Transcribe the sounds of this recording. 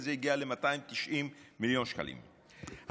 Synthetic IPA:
zeiɡialemat̪aimt̪iʃʔimːiljo̞nʃka̰lʔḭm | h

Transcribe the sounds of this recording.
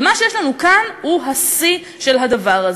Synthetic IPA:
maʃejeʃlanukanhuɦasi | ʃe̞lɦad̪avaʁaz

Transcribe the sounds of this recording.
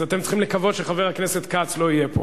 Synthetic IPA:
at̪emt͡sχimlekavo̞d̪ʃeχaveʁhakneset̪kat͡slo̞ijepʰo̰

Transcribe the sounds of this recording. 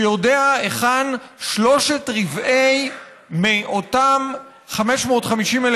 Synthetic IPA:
jodeaeχanʃlo̞ʃetʁivʔej | meʔotam | χameʃmo̞ːtχamiʃimel

